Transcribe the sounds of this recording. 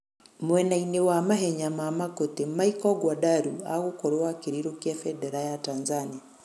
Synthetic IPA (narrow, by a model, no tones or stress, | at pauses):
mwɛnainewamaɦɛɲamamakotemaikɔɡwadaɾua̰ɣokɔɾowakeɾiɾokjafɛdɛɾajatanzania